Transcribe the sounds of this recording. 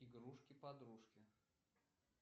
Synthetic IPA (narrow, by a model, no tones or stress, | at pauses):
ɪɡɾuʂkʲɪpɐd̪ɾuʂkʲɪ